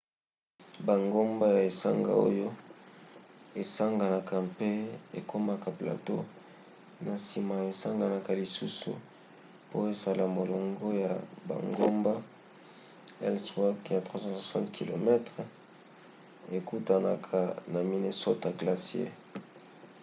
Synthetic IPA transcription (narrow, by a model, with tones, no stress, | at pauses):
ba˨ŋɡo˦mba˦ja˨e˨sa˦ŋɡa̰˨o̰˦jo˦ | e˨sa˦ŋɡa˨na˨ka˨pe˦e˨kʰo˦ma˨ka˨pla̰˨to˦ | na˨si˨ma˨e˨sa˦ŋɡa˨na˨ka˨li˨su˦sṵ˨ | po˦e˨za˨la˨mo˨lo˨ŋɡo˦ja˨ba̰˨ŋɡo˦mba˦ | ɛ˦lswa˦kja˨tχwa˦sɑ̃˦swa˨sɑ̰̃˦ntkʰi˨lo̰˨mɛ˦tʁ | e˨ku˦ta˨na˨kʰa˨na˨mi˦ne˦so˦ta˨ɡla˨si˦ḛ˦